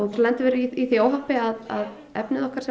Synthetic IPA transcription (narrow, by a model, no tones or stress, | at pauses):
ɔɣɾlɛnt̪vɛːɾʏiiθioːwɦapɪaða̰ð | ɛ̰pnɪðɔhkaɾ̥sɛ